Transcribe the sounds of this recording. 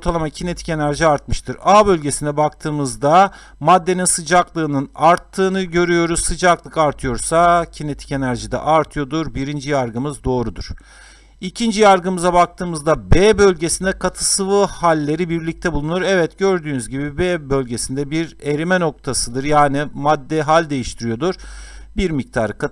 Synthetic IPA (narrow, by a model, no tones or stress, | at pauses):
oɾt̪ʰalˠamacʰine̞t̪ʰi̥ce̞næɾʒiaɾt̪̚mɯʃt̪ʰɯɾabø̞lʲɟe̞sinɛbak̚t̪ʰɯːmɯzd̪a | mad̪ːe̞ninsɯd͡ʒaklˠɯːnɯnaɾt̪ʰːɯːnɯɟø̞ɾyjo̞ɾuzːɯd͡ʒaklˠɯkaɾt̪ʰɯjo̞ɾsacʰine̞t̪ʰi̥ce̞næɾʒid̪ɛ̰ʔaɾt̪ʰɯjo̞d̪uɾbiɾind͡ʒijaɾɡɯmɯzd̪o̞ːɾud̪ṵɾ̥ | icʰind͡ʒijaɾɡɯmɯzabak̚t̪ʰɯːmɯzd̪abebø̞lʲɟesind̪ɛkʰat̪ʰɯsɯvɯhalʲːe̞ɾibiɾlʲic̚t̪ʰɛbulˠunuɾɛvɛt̪ɟø̞ɾd̪yːnyzɟibibɛbø̞lʲɟe̞sind̪ɛbiɾe̞ɾimɛno̞k̚t̪ʰasɯd̪ɯɾjaːnimad̪ːɛɦalʲd̪e̞jiʃt̪ʰiɾijo̞d̪uɾ̥biɾmic̚t̪ʰaːɾɯka